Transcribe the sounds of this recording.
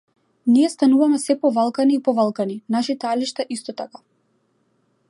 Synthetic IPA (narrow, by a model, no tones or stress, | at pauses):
niɛst̪anuvamɛsɛpɔvalˠkaniːpɔvalˠkaninaʃit̪aliʃt̪aʔist̪ɔt̪aka